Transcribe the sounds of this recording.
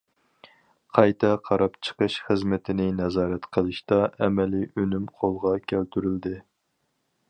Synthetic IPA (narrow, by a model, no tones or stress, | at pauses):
qʰɑjt̪ʰɛqʰɑɾɑpt͡ʃʰə̥qəʃχəzmɪt̪ʰɪnɪnɛzɑːɾɛt̪qʰəlˠɨʃt̪ɑɛmɛliʔønymqʰolˠʁɑkʲʰælt̪ʰyɾyld̪ɪ